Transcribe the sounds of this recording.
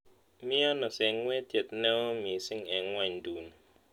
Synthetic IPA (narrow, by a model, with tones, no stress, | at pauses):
mi˦a˦nɔ˨sɛ˨ŋwɛ˦tjɛ˨t̚nɛ˦mi˨sɪ˦ŋɛ˨ŋːwa˦˨ɲdu˨n